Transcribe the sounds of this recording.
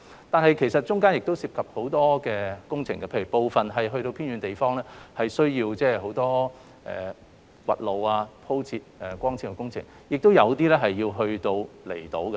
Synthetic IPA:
t̪aː˨nɦɐ˨jkʰe˨˩jsɐ˨t̚t͡ʃʊ˥ŋkaː˥njɪ˨k̚t̪o˥wsiː˧p̚kʰɐ˨p̚ho˨˥wt̪ɔː˥kɛː˧kʊ˥ŋt͡sʰɪ˨˩ŋɡɐ˧pʰe˧jy˨˩po˨˧wfɐ˨nɦɐ˨jɦɵ˧ɥɾo˧wpʰi˥nɥyː˨˧nt̪e˨jfɔː˥ŋlɛː˥hɐ˨jsɵ˥ɥjiː˧wt͡sɛː˥˩ɦo˨˥wt̪ɔː˥ | ʔɛ̰ː˨˩ | wɐ̰˨t̚lo˨waː˧pʰo˥wt͡sʰiː˧t̚ɛ˨˩kʷɔː˥ŋt͡sʰiː˥˩kɛ˧˥kʊ˥ŋt͡sʰɪ̰˨˩ŋ | jɪ˨k̚t̪o˥wjɐ˨˧wt̪iː˥lɛ˥ɦɐ˨jːiː˧wɦɵ˧ɥt̪o˧wlḛ˨˩jt̪o˨˥wkɐ˧

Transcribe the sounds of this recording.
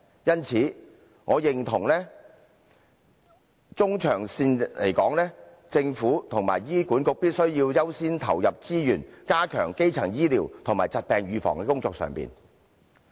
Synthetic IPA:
jɐ˥nt͡sʰiː˨˥ | ŋɔː˨˧jɪ˨ŋt̪ʰʊ˨˩ŋlɛː˥ | t͡sʊ˥ŋt͡ʃʰœː˨˩ŋsiː˧n˨lḛ˨˩jkɔː˨˥ŋlɛː˥ | t͡sɪ˧ŋfuː˨˥t̪ʰʊ˨˩ŋma̰ː˨˩jjiː˥kuː˨˥nkʊ˨˧k̚piː˥t̚sɵ˥ɥjiː˧wjɐ˥wsiː˥nt̪ʰɐ˨˩wjɐ˨p̚t͡siː˥jyː˨˩nkaː˥kʰœ̰ː˨˩ŋke˥jt͡sʰɐ˨˩ŋjiː˥liː˨˩wt̪ʰʊ˨˩ŋmaː˨˩jt͡sɐ˨t̚pɛː˨ŋɥyː˨˧fɔ̰ː˨˩ŋkɛː˧kʊ˥ŋt͡sɔː˧k̚sœ̰ː˨˩ŋpḭː˨n

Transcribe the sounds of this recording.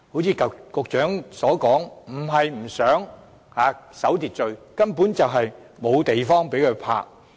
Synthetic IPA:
ho˨˥wt͡sʰiː˧kɐ˨kʊ˧k̚t͡ʃœː˨˥ŋsɔː˨˥kɔː˨˥ŋm̩˨˩ɦɐ˨jm̩˨˩sœː˨˥ŋ | haː˨˧sɐ˨˥wt̪iː˨t̚t͡sɵ˨˧ɥkɐ˥npuː˨˥nt͡sɐ˨wɦɐ˨jmo˨˧wt̪e˨jfɔː˥ŋpe˨˥jkʰɵ˨˧pʰa̰ː˧˥k̚

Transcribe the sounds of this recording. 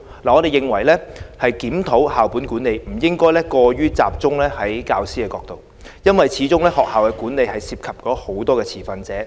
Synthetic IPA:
laː˨˩ɔː˨˧ɾe˨jɪ˨ŋwɐ˨˩jlɛː˥hɐ˨jkiː˨˥mt̪ʰo˨˥whaː˨˩wpuː˨˥nkuː˨˥nːe˨˧jm̩˨˩jɪ˥ŋkɔː˥jlɛː˥kɔː˧ɥyː˥t͡sa̰ː˨p̚t͡sʊ˥ŋlɛː˥hɐ˨˥jkaː˧wsiː˥kɛː˧kɔː˧k̚t̪o˨w | jɐ˥nwɐ˨jt͡sʰiː˨˥t͡sʊ˥ŋlɛː˥hɔː˨k̚haː˨˩wkɛː˧kuː˨˥nle˨˧jhɐ˨jsiː˧p̚kʰɐ˨p̚kɔː˨˧˥ho˨˥wt̪ɔː˥kɛː˧t͡sʰiː˨˩fɐ˧nt͡sɛː˨˥

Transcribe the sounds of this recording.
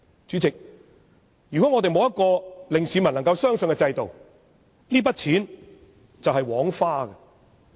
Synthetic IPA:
t͡ʃyː˨˥t͡sɪ˨k̚ | jyː˨kʷɔ˨˥ŋɔː˨˧t̪e˨jmo˨˧wjɐ˥t̚kɔː˧lɪ˨ŋsiː˨˥mɐ˨˩nɐ˨˩ŋkɐ˧wsœː˥ŋsɵ˨ŋkɛ˧t͡sɐ˧jt̪o˨w | liː˥pɐ˥t̚t͡sʰiː˨˥n | t͡sɐ˨wɦɐ˨jwɔː˨˥ŋfaː˥ɡɐ˧

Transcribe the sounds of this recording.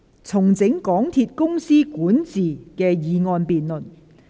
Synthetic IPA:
t͡sʰʊ˨˩ŋt͡sɪ˨˥ŋkɔː˨˥ŋt̪ʰiː˧t̚kʊ˥ŋsiː˥kuː˨˥nt͡siː˨˩kɛː˧jiː˨˧ŋɔː˧npiː˨nlɵ˨˩n

